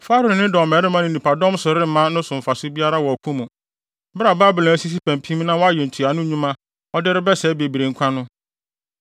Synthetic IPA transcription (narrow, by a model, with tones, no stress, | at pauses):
fa˦ɾʊ˨nɪ̃˦dɪ˨ɔ˨mɛ˨ɾɪ˦mã˦nɪ̃˨nĩ˨pʰa˨dɔ̃˦msʊ˨ɾɪ˦m˦mã˦nʊ̃˦sʊ̃˨m̩˨fa˨sʊ˦bi˦a˦ɾa˦wɔ˨ɔ˨kʰũ˦mũ˨ | bɪ˦ɾa˨baː˦bɪ˨lã˨æ˦si˦s̬i˦pʰæ̃˨m˨pʰĩ˦m˦nã˦wɔ˦a˦jɛ˨n̩˨tʰu˨a˨nʊ̃˦ɲũ˦mã˦ | ɔ˦dɪ˦ɾɪ˦bɛ˦sɛː˨˦be˨bi˨ɾe˨ŋ̩˦kʷʰã˦nʊ̃˦